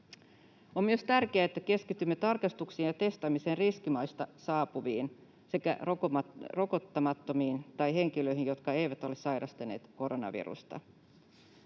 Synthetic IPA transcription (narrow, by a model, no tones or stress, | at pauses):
ommyøst̪ærk̟eæet̪ːæke̞skit̪ymːet̪ɑrkɑst̪uksiːnjɑt̪e̞st̪ɑmiseːnriskimɑjst̪ɑsɑːpuʋiːn | se̞kæ̰ | ro̞kot̪ːɑmɑt̪ːomiːnt̪ɑjɦe̞ŋk̟iløiɦinjo̞t̪kɑe̞jʋæt̪o̞lesɑjɾɑst̪ɑneːt̪ko̞ɾonɑ̰ʋḭrṵst̪ɑ̰